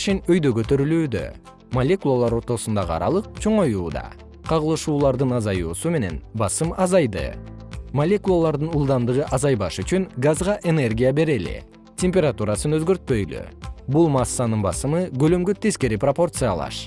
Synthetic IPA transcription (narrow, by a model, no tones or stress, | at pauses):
ʃinøjd̪øɡø̞t̪ø̞ɾylyːd̪ø̰ | mɐlʲe̞kulˠalˠɑɾo̞ɾt̪o̞sund̪ɑʁɯɑ̰ɾɑ̰lˠɯq̚t͡ʃʰo̞ɴo̞juːd̪ɑ̰ | qʰɑʁɯlˠɯʃuːlˠɑɾd̪ɯnɑzɑjuːsume̞ne̞̰nbɑsɯmɑzɑjd̪ɯ̰ | mɐlʲe̞kulˠalˠɑɾd̪ɯnulˠd̪ɑnd̪ɯʁɯʔɑzɑjbɑʃyt͡ʃyŋɡazʁɑʔe̞ne̞rɡʲijabe̞ɾe̞lɪ̰ | tʲemʲpʲeɾat̪uɾɑsɯnøzɡø̞ɾt̪̚pø̞jly̰bulˠmɑsːɑnɯnbɑ̰sɯmɯɡø̞lømɡøt̪eske̞ɾipropo̞rt̪sɨjɑ̰lˠɑ̰ʃ